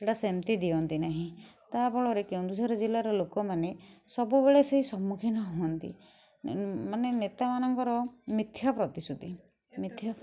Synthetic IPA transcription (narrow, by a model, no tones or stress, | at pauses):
eʈasemt̪id̪iɔnt̪inaɦĩt̪abɔɭɔɾekew̃nd̪usʰɔɾɔd͡ʒilaɾɔlokɔmanesɔbubeɭeseɦisɔmːukʰinɔɦuɔnt̪ḭ | manenet̪amanɔŋkɔɾɔmit̪ʰjapɾɔt̪isud̪ʱi | mit̪ʰːja